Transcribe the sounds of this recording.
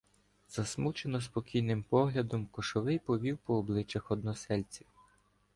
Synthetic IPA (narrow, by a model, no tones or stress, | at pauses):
z̥ɐsmut͡ʃenɔspɔkʲijnɪmpɔɦlʲɐd̪ɔmkɔʃɔʋɪjpɔʋʲiwpɔːblˠɪt͡ʃɐxɔd̪nɔsɛlʲt͡sʲiw